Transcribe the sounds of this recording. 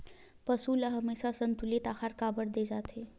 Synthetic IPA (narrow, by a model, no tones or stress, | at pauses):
pɐsuːlaɦɐmeːʃasɐ̃nt̪ʊlit̪aːxaːɾkaːbəɽd̪eːd͡ʒaːt̪ʰɦeː